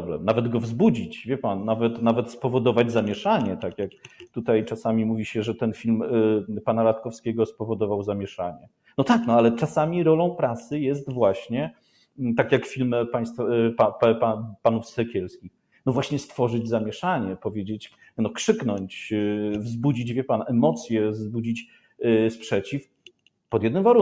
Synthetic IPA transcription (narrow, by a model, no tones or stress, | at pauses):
blɛ̰mnavɛd̪ɡɔvzbud͡ʑit͡ɕvʲjɛpannavɛt̪navɛt̪spɔvɔd̪ɔvad͡ʑzamʲjɛʂaɲɛt̪akʲjakt̪ut̪ajt͡ʂasamʲimuvʲiɕɛʐɛt̪ɛnfʲilmpanaɾat̪kɔfskʲɛɡɔspɔvɔd̪ɔvawzamʲjɛʂaɲɛ | nɔt̪aknɔalɛt͡ʂasamʲiɾɔlɔ̃w̃pɾasɘjɛst̪vwaɕɲɛ | t̪akʲjakfʲilmpaj̃st̪fpapapanufsɛkʲɛlskʲix | nɔvwaɕɲɛst̪fɔʐɘd͡ʑzamʲjɛʂaɲɛpɔvʲjed͡ʑet͡ɕ | nɔkʂɘknɔɲt͡ɕvzbud͡ʑid͡ʑvʲjɛpanɛmɔt̪sʲjɛvzbud͡ʑit͡ɕ | spʂɛt͡ɕif | pɔd̪jɛd̪nɘmvaɾu